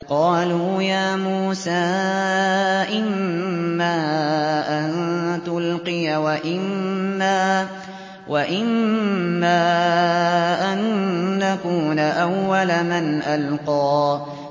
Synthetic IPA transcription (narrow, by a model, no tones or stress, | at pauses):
qɑːluːjaːmuːsaː | ʔɪmː | aːʔant̪ʊlqɨjawaʔɪmːaː | waʔɪmː | aː | ʔanːakuːnaʔawːalamanʔalqɑː